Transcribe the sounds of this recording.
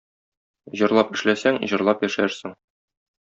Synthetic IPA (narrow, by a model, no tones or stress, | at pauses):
ʑɤ̆ɾlˠɑpɘ̆ʃlæsæŋʑɤ̆ɾlˠɑpjæʃæɾsɘŋ